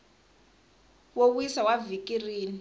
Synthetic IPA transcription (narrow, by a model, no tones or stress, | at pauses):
wowuisawavikʼiriːni